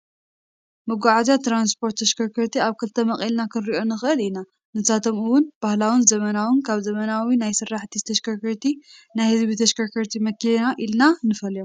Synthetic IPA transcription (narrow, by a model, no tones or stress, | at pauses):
mɨɡʷaʕazjat̪ʰɾanspʰo̞ɾt̪ːɐʃkʰɐɾkʰɐɾt̪ʰiaβkʰɨlt̪ʰɐmɐχʼelnakʰɨnɾiʔo̞nɨxɨʔɨlina | nɨsat̪ʰo̞mɨwʊnb̥ahlawɨnzɐmɐnawɨnkʰaβzɐmɐnawinajsɨrːaħt̪ʰit̪ʰɐʃkʰɐɾkɐɾt̪ʰinajhɨzβit̪ʰɐʃkɐɾkʰɐɾt̪ʰimɐkilnaʔilnanɨfɐljo